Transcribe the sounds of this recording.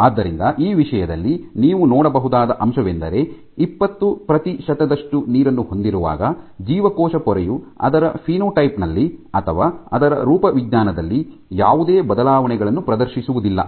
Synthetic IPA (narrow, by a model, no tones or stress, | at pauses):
aːd̪ːɐɾind̪ɐʔiːʋiʂɐjɐd̪ɐlːiniːʋunɔːɽɐbɐɦud̪aːd̪ɐʔɐmʃɐʋend̪ɐɾe̞ | ipːɐt̪ːupɾɐt̪iʃɐt̪ɐd̪ɐʂʈuniːɾɐnːuho̞nd̪iɾuʋa̰ːɡɐd͡ʒiːʋɐkɔːʃɐpɔɾɛjuɐ̰d̪ɐɾɐpʰiːnoːʈɐjpnɐlːiɐt̪ʰɐʋaːɐd̪ɐɾɐ̰ɾuːpɐʋid̪ɲaːnɐd̪ɐlːi | jaːʋud̪eːbɐd̪ɐlaːʋɐɳɛɡɐɭɐnːupɾɐd̪ɐɾʃisuʋud̪ilːɐ̰